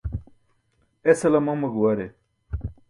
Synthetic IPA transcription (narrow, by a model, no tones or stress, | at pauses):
esɐlɐmɐŋmɐɡuwɐɾe